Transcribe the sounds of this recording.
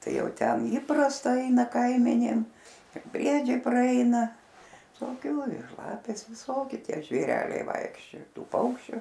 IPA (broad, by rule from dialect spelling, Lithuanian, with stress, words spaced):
ˈtɐɪ ˈjɛʊ ˈtʲɛn ˈiːprɐstɐ ˈɐɪnɐ ˈkɐɪmʲɛnʲeːm ɪr ˈbʲrʲiɛd͡ʒʲɛɪ prɐˈɛɪnɐ ʋʲɪsoːˈkʲʊ ɪr ˈlˠɑːpʲeːs ˈʋʲɪˈsoːkʲɪ ˈtʲiɛ ʒʲʋʲeːˈrʲæːlʲɛɪ ˈʋɐɪkʃʲt͡ʃʲoːjɛ ˈtuː ˈpɐʊkʃʲt͡ʃʲʊ